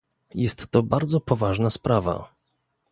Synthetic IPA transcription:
jɛst̪ːɔbaɾd̪zɔpɔvaʐnaspɾava̰

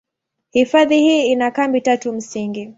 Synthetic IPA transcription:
hifaðihiːinakambitatum̩siŋɡi

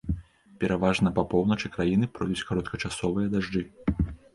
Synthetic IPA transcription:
pʲɛɾavaʐnɐpɐpɔwnɐt͡ʂɨkɾajinɨpɾɔjd̪ut͡sʲkaɾɔt̪kɐt͡ʂasɔvɨjɐd̪aʐd͡ʐɨ

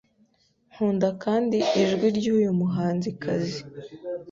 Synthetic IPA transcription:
ŋhuːndakaːndiiʒɡwiɾɟuːjumuɦaːnzikʰazi

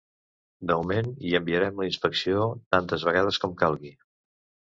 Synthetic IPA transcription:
d̪əmumeniəmbiəɾɛmləinspəksiot̪ant̪əzβəɣað̞əskɔmkalˠɣi

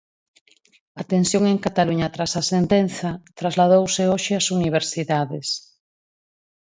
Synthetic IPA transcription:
ɐt̪ensjoŋeŋkat̪aluɲɐt̪ɾasasent̪enθɐt̪ɾazlað̞owseoʃɪasuniβ̞eɾsiðaðes

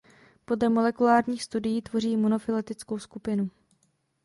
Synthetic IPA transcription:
po̞dlɛmo̞lɛkulaːɾɲiːxst̪udɪjiːt̪vo̞r̝iːmonofɪlɛt̪ɪt͡sko̞wskupɪnu

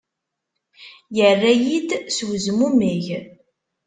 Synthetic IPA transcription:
jərːæjid̪swzmumiʝ

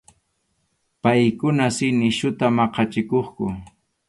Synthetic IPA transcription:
pajkʊnasɪnɪʃʊt̪amɑqɑt͡ʃɪkoχkʊ

